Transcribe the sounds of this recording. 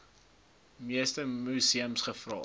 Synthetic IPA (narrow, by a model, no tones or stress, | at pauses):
miəstəmusiəmsχəfrɑ̰ː